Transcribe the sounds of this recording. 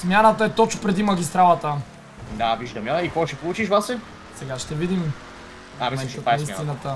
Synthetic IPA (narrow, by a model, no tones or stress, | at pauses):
smʲjanət̪əɛt̪ɔt͡ʃʊ̥pɾɛd̪iməɡ̟ʲist̪ɾalˠət̪ə | d̪aviʒd̪ɐməikɔt͡ʃɛpolˠut͡ʃiʃvasɛ | sɛɡaʃt̪ɛvid̪im | amɛnt̪ət̪anɐist̪inət̪ə